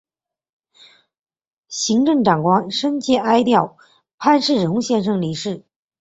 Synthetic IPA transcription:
ɕi˧˥ŋʈ͡ʂɤ˥˩ŋʈ͡ʂɑ˨˩ŋkwɑ˥ŋʂə˥nt͡ɕjɛ˥ʔa˥ɪt̪jɑ˥˩ʊ | pʰa˥˧nʂɻ̩˥˩ɻʊ˧˥˧ɕjɛ˥˧nʂɤ˥˩ŋli˧˥ʂɻ̩˥˩

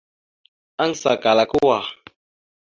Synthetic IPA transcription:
a˦ŋ˨sa˨ka˨la˨ku˦wa˨

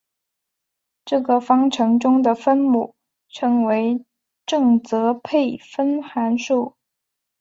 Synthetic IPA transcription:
ʈ͡ʂɤ˥˩ɡə˩fɑ˥ŋʈ͡ʂʰɤ˧˥ŋʈ͡ʂʊ˥ŋd̪ə˨fə˥nmu˥˩ | ʈ͡ʂʰɤ˧˥ŋwe˧˥ɪ | ʈ͡ʂɤ˥˩ŋt͡sɤ˧˥pʰe˥˩ɪfə˥nxa˧˥nʂu˥˩

